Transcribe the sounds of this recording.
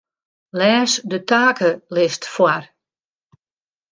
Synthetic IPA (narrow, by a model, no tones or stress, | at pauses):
lɛːsdətaːkʰəlɪstfwar